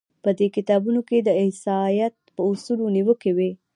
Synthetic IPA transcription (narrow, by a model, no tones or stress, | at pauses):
pəd̪ekɪt̪ɑbunoked̪əɪhsɑjat̪̚pəʊsuloniwəkewe